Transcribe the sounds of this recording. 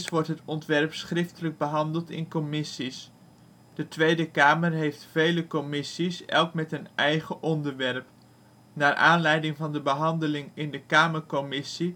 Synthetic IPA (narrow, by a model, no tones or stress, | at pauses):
sʋɔɹtɦətɔntʋɛɹpsχrɪftələɡ̚bəɦɑndəlˠtɪ̰nkɔmɪsis | d̥ətʋejdəkaːməɹɦejftfejləkɔmɪsisɛ̰lˠkmɛtənɛjχəʔɔndəɹʋɛɹp | naːɹʔaːnlɛjdɪŋvɑndəbəɦɑndəlɪŋɪndəkaːməɹkɔmɪsi